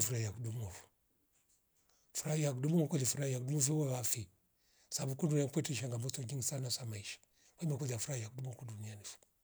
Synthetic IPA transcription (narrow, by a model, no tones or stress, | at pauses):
fuɾajakdumovu̥ | fuɾajakdumumkolifuɾajak̚dumofiwaɣafi | sabukunduniakʷetiʃaŋɡamot͡soɡiŋsanasamaiʃḁ | wamakolafuɾajak̚dumokudunijanifu̥